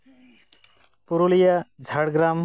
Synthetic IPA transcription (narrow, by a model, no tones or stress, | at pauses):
puɾulijad͡zʱaɽɡɾam